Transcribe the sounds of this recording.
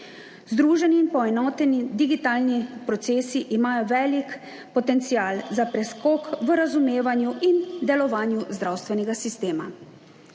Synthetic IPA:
zd̪ɾuːʒɛniːnpɔɛnɔːt̪ɛnid̪iɡit̪aːlnipɾɔt̪seːsiʔimaːjɔʋɛːlik | pɔt̪ɛnt̪sijaːlzapɾɛskɔːkʋəɾazumeːʋanjuʔind̪ɛlɔʋaːnjuzd̪ɾawst̪ʋɛnɛɡasist̪eːma̰

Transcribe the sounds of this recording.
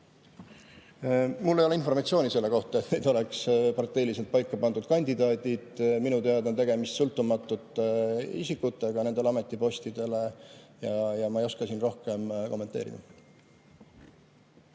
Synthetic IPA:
mulːejo̞einfo̞rmɑt̪sio̞ːnʲise̞lːe̞ko̞ht̪ɑet̪ne̞jd̪o̞le̞kspɑrt̪ˑːe̞jlis̬elt̪̚pɑjkːɑpɑnd̪ud̪̥̚kɑnʲd̪id̪ɑːd̪̥ʲid̪̥minut̪e̞ɑd̪nt̪e̞ɡ̥e̞mist̪sult̪ːˑumɑt̪ːˑut̪ːˑḭsikːut̪ːˑe̞ɡ̥ɑne̞nd̪eeɑme̞t̪ːˑipo̞st̪id̪e̞le̞jɑjɑmɑejo̞skɑsinro̞hke̞mko̞mːent̪e̞̰ːɾḭd̪ɑ̰

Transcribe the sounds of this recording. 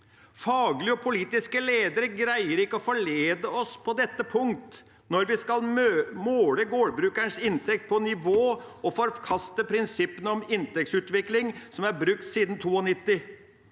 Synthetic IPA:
fɑːɡlɪəɔpʰʊliːt̪ɪskəleːd̪əɾəɡɾæɪəɾɪkːəɔfɔɭeːd̪əɔspʰɔd̪ɛt̪ːəpʰʊŋkt̪ | nɔɾʋɪskɑlmøːmoːləɡoːɽbɾʉːkæɳʂɪnt̪ʰɛk̚t̪̚pʰɔnɪʋoːɔfɔɾkʰɑst̪əpʰɾɪnsɪpːənəɔmɪnt̪ɛk̚tsʉːt̪ʋɪklɪŋsɔmæɾbɾʉk̚t̪siːd̪n̩t̪ʰuːɔnɪt̪ːɪ

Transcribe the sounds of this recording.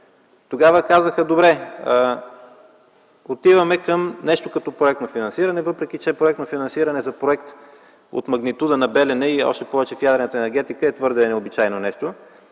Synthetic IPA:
t̪oɡavəkazəxəd̪obɾɛə | ot̪ivɐmɛkəmnɛʃt̪okɐt̪ɔpɾoɛk̚t̪nofinɐnsiɾɐnɛvɤpɾɛk̟it͡ʃɛpɾoʊɛkt̪nofinɐnsiɾɐnɛzɐpɾoɛkt̪ | o̰t̪mɐɡnit̪ud̪ənɐbɛlɛnɛiɔ̰ʃt̪ɛpɔvɛt͡ʃɛfjad̪ɾɛnət̪əɛnɛɾɡ̟ɛt̪ikəɛt̪vɤɾd̪ɛnɛobit͡ʃajnonɛʃt̪o

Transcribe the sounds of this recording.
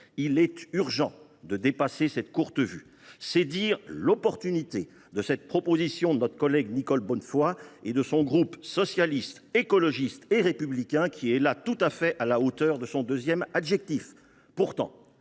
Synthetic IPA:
ilɛt̪yʁʒɑ̃d̪əd̪epasesɛt̪kuʁt̪əvy̰ | sɛd̪iːʁlɔpɔʁt̪ynit̪e | d̪əsɛt̪̚pχɔpozisjɔ̃d̪ənɔt̪χəkɔlɛɡnikɔlbɔnfwaed̪əsɔ̃ɡʁupsɔsjalist̪ekɔlɔʒist̪eʁepyblikʲɛ̃kʲʰiɛlat̪ut̪afɛʔalaot̪œʁd̪əsɔ̃d̪øzjɛmad̪ʒɛk̚t̪if | puʁt̪ɑ̰̃

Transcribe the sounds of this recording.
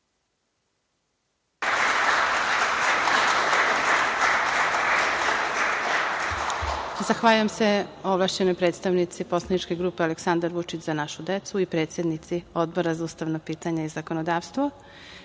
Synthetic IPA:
zaxʋaʎujemse̞oʋlˠaːʃt͡ɕe̞nojpɾet̪st̪aʋnit̪sipo̞slˠanit͡ʃke̞ɡɾupealeksand̪aɾʋut͡ʃit͡ɕzanaʃud̪et̪suipɾet̪sje̞d̪nit̪sio̞d̪boɾazauːst̪aʋnopiːt̪aɲaizakonod̪aːʋst̪ʋo

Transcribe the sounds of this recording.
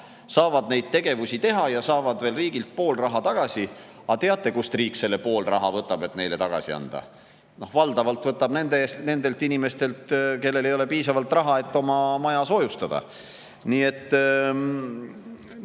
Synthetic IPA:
sɑːvɑd̪ne̞jd̪̥̚t̪e̞ɡ̥e̞vusʲit̪e̞ɦɑjɑsɑːvɑd̪ve̞ːlriːɡ̥ilt̪̚po̞ːlrɑɦɑt̪ɑɡ̥ɑsʲi | ɑt̪e̞ɑt̪ːˑe̞kust̪riːkse̞lːepo̞ːlrʔɑ̰ɦɑvɤt̪ːˑɑb̥e̞t̪ne̞jle̞t̪ɑɡ̥ɑ̰sḭɑ̰nd̪̥ɑ̰ | no̞hvɑld̪ɑvɑlt̪vɤt̪ːˑɑb̥ne̞nd̪est̪ne̞nd̪e̞lt̪inime̞st̪e̞lt̪ke̞lːe̞lejo̞le̞piːsɑvɑlt̪ˑrɑɦɑe̞t̪ːo̞mɑmɑjɑso̞just̪ɑd̪̥ɑ̰ | niːe̞t̪ˑː

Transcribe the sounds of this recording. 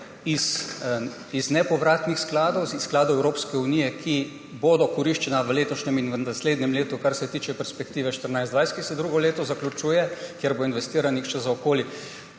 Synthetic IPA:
is | iznɛpɔʋɾaːt̪nixsklaːd̪owsːklaːd̪owɛwɾoːpskɛuniːjɛkʰi | boːd̪ɔkɔɾiʃt͡ʃɛnaʋəleːt̪ɔʃnɛminʋəasleːd̪nʲɛmleːt̪ukaɾsɛt̪iːt͡ʃɛpɛɾspɛkt̪iːʋɛʃt̪əɾnajzd̪ʋajskisɛd̪ɾuːɡɔleːt̪ɔzaklʲut͡ʃujɛkjeɾboinʋɛst̪iːɾanixt͡ʃɛzaɔkoːli

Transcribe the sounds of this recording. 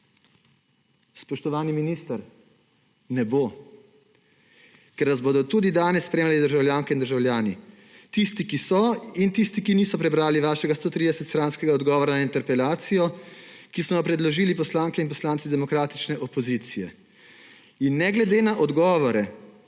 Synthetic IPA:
spɔʃt̪ɔʋaːniminiːst̪əɾ | nɛbo | kɛɾʋazboːd̪ɔt̪uːd̪id̪aːnɛsːpɾeːmlalid̪əɾʒawljaːŋkɛind̪əɾʒawljaːni | t̪ist̪ikisɔint̪ist̪ikiniːsɔpɾɛbɾaːliʋaːʃɛɡast̪oːt̪ɾid̪ɛsɛt̪st̪ɾaːnskɛɡaɔd̪ɡɔːʋɔɾanaint̪ɛɾpɛlaːt̪sijɔkismɔjɔpɾɛd̪lɔʒiːlipɔslaːŋkɛinpɔslaːnt̪sid̪ɛmɔkɾaːt̪i̥t͡ʃnɛʔɔpɔzit̪sijɛ̰ | inːɛɡlɛd̪eːnaʔɔd̪ɡɔːʋɔɾɛ

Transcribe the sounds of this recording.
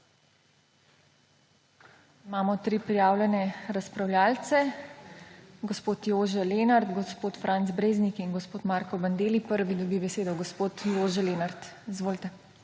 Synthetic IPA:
imaːmɔt̪ɾipɾijaːwlʲɛnɛɾaspɾawlʲjaːlt̪sɛ | ɡɔspoːt̪joːʒɛleːnaɾt̪ɡɔspoːt̪fɾʔant̪zbɾeːznikinɡɔspoːt̪maːɾkɔband̪eːlipəɾʋid̪ɔbibɛseːd̪ɔɡɔspoːt̪joːʒɛleːnaɾt̪izʋoːlit̪ɛ

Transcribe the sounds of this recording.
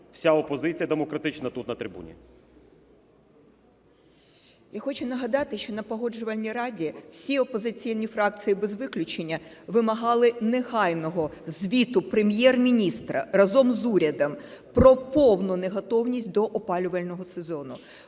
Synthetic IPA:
w̥sʲaɔpɔzɪt͡sʲijɐd̪emɔkɾɐt̪ɪt͡ʃnɐt̪ut̪nɐt̪ɾʲɪbṵnʲḭ | jaxɔt͡ʃʊnɐɦɐd̪ɑt̪ɪʃt͡ʃɔnɐpɔɦɔd͡ʒʊʋɐlʲnʲiɾɑdʲiw̥sʲiɔpɔzɪt͡sʲijnʲifɾɑk̚t͡sʲijibezʋɪklʲʊt͡ʃenʲːɐ | ʋɪmɐɦɑlˠɪneɦɑjnɔɦɔzʲʋʲit̪ʊpɾemjɛrmʲinʲist̪ɾɐ̰rɐzɔmzuɾʲɐd̪ɐmpɾɔpɔwnʊneɦɔt̪ɔwnʲisʲt̚ʲd̪ɔʔɔpɑlʲʊʋɐlʲnɔɦɔsezɔnʊ

